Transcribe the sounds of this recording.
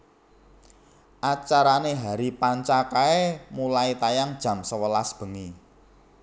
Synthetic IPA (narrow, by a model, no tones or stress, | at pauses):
ʔat͡ʃaɾaneɦaɾipaɲt͡ʃakaemulait̪ajaŋd̥ʒ̥ä̤msəwəlasb̥ə̤ŋi